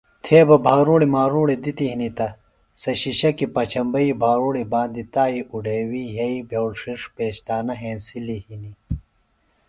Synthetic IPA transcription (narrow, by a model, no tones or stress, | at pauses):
t̪ʰeːbɐbʱaːɾuːɽimaːɾuːɽid̪it̪iɦinit̪ɐ | sɐɕiɕɐkipɐt͡ɕʰɐmbɐibʱaːɾuːɽibaːnd̪it̪aːiuɖʱewiɦɐibʱjewlʂiʂpeːɕt̪aːnɐɦeːnsilihini